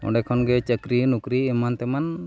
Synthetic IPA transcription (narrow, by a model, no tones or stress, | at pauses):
ɔ̰̃ɳɖɛkʰɔnɡɛt͡ʃəkɾinukɾiɛmant̪ɛman